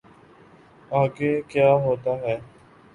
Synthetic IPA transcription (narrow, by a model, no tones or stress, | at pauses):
aːɡeːkjaːɦoːt̪aːɦɛː